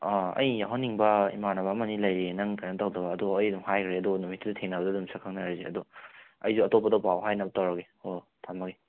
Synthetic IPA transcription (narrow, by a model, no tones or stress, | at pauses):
aɐ̰jːaɦɔnːiŋbɐḭmanabaːmɐnilɐjɾenɐŋkanɐtawdɐbɐːduːjdumhajkʰɾeɐduɡnumitːuditʰeŋnabɐdɐdumsʰɐkʰaknaɾizeɐ̰duɐ̰jzuɐtopːadɐpawɦajnɐbɐtawɾɐke | o | tʰamɐɡe